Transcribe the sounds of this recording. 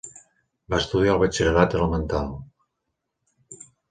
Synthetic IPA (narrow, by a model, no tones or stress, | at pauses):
baest̪uðialˠβet͡ʃeɾeɾat̪ələmənt̪alˠ